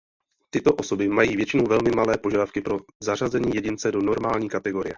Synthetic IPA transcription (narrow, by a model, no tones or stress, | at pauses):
t̪ɪt̪o̞ʔo̞so̞bɪmajiːvjɛt͡ʃɪnowvɛlmɪmalɛːpoʒadafkɪpɾo̞zar̝azɛɲiːjɛɟɪnt͡sɛdono̞ɾmaːlɲiːkat̪ɛɡo̞ɾɪjɛ